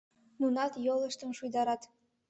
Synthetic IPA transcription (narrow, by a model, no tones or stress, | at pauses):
nunɑt̪jolˠɤ̆ʃt̪ə̆nʃujd̪ɑɾɑt̪